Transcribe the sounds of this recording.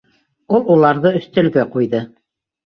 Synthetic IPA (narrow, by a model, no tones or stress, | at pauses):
ulˠulˠɑɾðɤɵ̆θt̪ɘ̆lɡɘqujðɤ